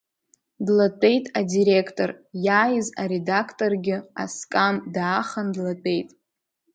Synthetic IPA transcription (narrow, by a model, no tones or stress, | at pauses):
dlat͡pʼe̞jtʼadiɾekʰtʼo̞rjaːjɪzaɾedakʰtʼo̞rɡʲɪa̰skʼamdaːχandlat͡pʼe̞jtʼ